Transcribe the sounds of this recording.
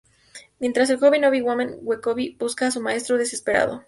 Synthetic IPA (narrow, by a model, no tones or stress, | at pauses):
mjent̪ɾas̬e̞lxoβinoβiɣwomẽŋɡwekoβibuskaːsumae̞st̪ɾoðe̞se̞spe̞ɾa̰ð̞o̰